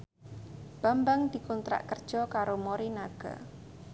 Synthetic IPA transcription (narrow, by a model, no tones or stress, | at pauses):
b̥ambaŋd̪̥i̤kɔnt̪ɾa̰ʔkərd̥ʒ̥ɔkaɾomoɾinaɡ̥a̰